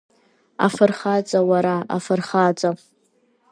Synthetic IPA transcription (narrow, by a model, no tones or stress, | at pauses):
a̰fɨrχad͡zʷʼawaɾaa̰fɨrχad͡zʷa